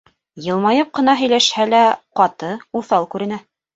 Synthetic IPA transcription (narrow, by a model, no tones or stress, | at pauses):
jɤ̆lˠmɑjɤp̚qɤ̆nɑɦɵ̆jlæʃhælæqɑt̪ɤuθɑlˠkʉɾɘ̆næ